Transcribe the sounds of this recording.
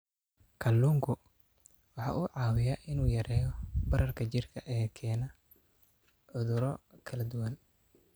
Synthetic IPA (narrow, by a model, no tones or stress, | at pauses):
kʰɐlːuːŋkʰʊ | wɑħɑ̰ːʔʊʕɑːwɪjɐʔɪnuːjɐɾɛːjɔbɐɾɐrkʰɐt͡ʃɪrkʰɐʔɛːkʰɛːnɐ | ʕʊðʊɾɔkʰɐlɐd̪ʊwɐn